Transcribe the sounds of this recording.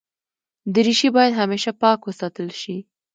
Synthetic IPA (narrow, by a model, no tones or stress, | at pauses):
d̪əɾiʃibɑjad̪ɦameʃapɑkwəsɑt̪əlʃi